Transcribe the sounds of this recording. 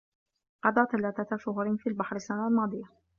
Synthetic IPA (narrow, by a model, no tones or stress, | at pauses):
qɑd̪ˤɑːθalaːθat̪aʃʊɦɾɪfiːlbaħɾɪsːanaʔalmɑːd̪ˤɨja